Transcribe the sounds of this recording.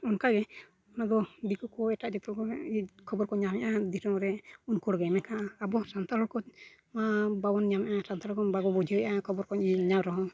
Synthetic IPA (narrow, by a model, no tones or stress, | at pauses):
ɔnkaɡɛ | ɔnad̪ɔd̪ikɔkɔɛʈaʔd͡ʒɔt̪ɔlkɔikʰɔbɔɾkɔɲamɛʔad̪isɔŋɾɛunkɔɽɡɛmɛkʰaʔaːbɔsant̪ʰaɔkɔ | mababɔnɲamɛʔasant̪aɾɔkɔbaɡɔbɔd͡ʒiəjʔakʰɔbɔɾkɔniɲawɾɔɦɔ̃